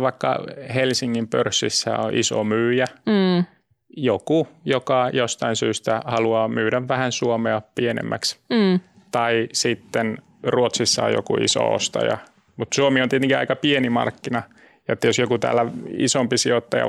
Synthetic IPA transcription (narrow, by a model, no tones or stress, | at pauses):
ʋɑikːɑ̰helsiŋːimpørsːisːæ̰o̰ʔiso̰myːjæ | jokujokɑjost̪ɑinsyːst̪æhɑluɑːmyːɾæʋʋæhænsuomeɑpienḛmːæks | t̪ɑisit̪ːen | ruot̪sisːɑ̰o̰jo̰kṵḭso̰o̰st̪ɑ̰jɑ̰ | mut̪suomiont̪iet̪eŋkiɑ̰ikɑpienimɑ̰rkːinɑ | jot̪ːæjosjokut̪æ̰ːlːæḭsompisiot̪ːɑjɑ̰